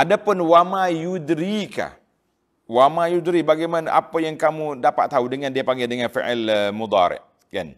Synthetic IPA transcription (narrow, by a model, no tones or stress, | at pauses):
ʔadapʊnwamãjudɾika̰h | wamãjud̪ɾibaɡamana̰ʔapajaŋkamũdapat̪ːaudəŋãndiapaŋɡɛdəŋãnfḭʔɛləmud̪ɑ̰ɾɪ̰ʔ | ka̰n